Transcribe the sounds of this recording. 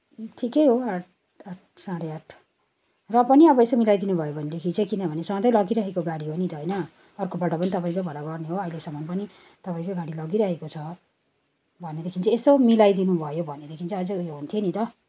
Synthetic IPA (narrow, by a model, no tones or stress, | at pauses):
ʈʰikejɦoaʈ̚ʰ | aʈ̚ʰsãɽeaʈʰ | rʌpʌniʌbʌesomilajd̪inubʱʌjobʱʌned̪ekʰint͡sʰʌkinʌbʱʌnesʌd̪ʌjlʌɡiɾʌɦekoɡaɽiɦʌnid̪ʌɦʌjnʌ | ʌrkobaʈʌpʌnit̪ʌpaĩkobʱʌlaɡʌrneɦoʌɦilesʌmʌnpʌni | t̪ʌpaĩkoɡaɽilʌɡiɾʌɦekot͡sʰʌ | bʱʌnːed̪ekʰint͡sʰʌesomilajd̪inubʱʌjobʱʌnːed̪ekʰint͡sʰʌːd͡zʌjoɦunt̪ʰjenit̪ʌ